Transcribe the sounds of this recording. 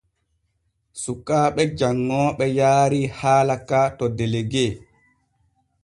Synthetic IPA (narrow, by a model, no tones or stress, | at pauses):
sukːaːɓɛd͡ʒaŋːɔɓɛjaːɾihaːlakatɔdeleɡeː